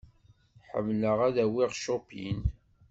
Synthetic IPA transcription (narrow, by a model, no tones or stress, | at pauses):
ħə̰mːləʁæðæwiʁʃʊpḭn